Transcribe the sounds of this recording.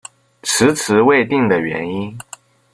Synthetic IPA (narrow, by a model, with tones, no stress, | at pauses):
ʈ͡ʂ̩ʰ˧˥t͡sʰɹ̩˧˥we˥˧ɪt̪i˥˩ŋd̪ə˩ɥɛ̰˧˥ni˥n